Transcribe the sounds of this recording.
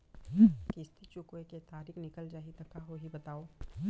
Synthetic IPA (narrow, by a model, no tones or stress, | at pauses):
kɪst̪ʰit͡ʃʊkweket̪aːɾiːknɪkəld͡ʒaːɦit̪ɐkaɦoɦibɐt̪aːoː